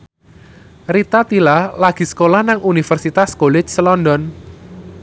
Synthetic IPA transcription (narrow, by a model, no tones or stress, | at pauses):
rit̪at̪ilalaɡ̥i̤sə̥kolahnaŋunifərsit̪askolɪt͡ʃsəlɔndɔn